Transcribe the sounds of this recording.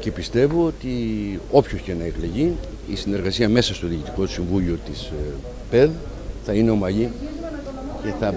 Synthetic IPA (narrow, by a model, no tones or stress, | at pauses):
ce̞pist̪e̞vo̞ot̪io̞pçoçenɐekleʝi | isine̞ɾɣɐsiɐme̞sɐst̪o̞ðicit̪i̥ko̞u̥siɱvuʎiot̪is | pe̞ð | θɐine̞o̞mɐʎi | ce̞θɐ